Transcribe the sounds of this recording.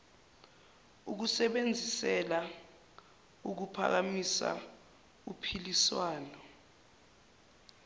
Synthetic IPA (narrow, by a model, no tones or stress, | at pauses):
uk̬usɛɓend͡zʱisɛla | uk̬upʰa̰k̬amisa̰ | upʰiliswaːnɔ